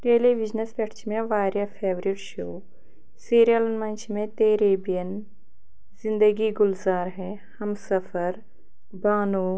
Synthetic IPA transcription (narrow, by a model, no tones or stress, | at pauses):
ʈeːleːʋid͡ʒnəspʲɐʈʰt͡ʃʰmẽʋaːɾjapʰeːʋɾiʈʃoː | siːɾjɐlnmɐnt͡ʃʰmẽt̪eːɾeːbijɐn | zɪ̃nd̪əɡiɡʊlzaːɾɦɛ | hɐmsɐfəɾ | baːnuː